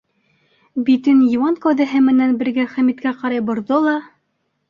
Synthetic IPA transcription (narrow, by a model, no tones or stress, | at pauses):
bit̪ɘnjiwɑnkæwðæɦɘmɘ̆nænbɘ̆ɾɡæχæmit̪kæqɑɾɑjbŏɾðolˠɑ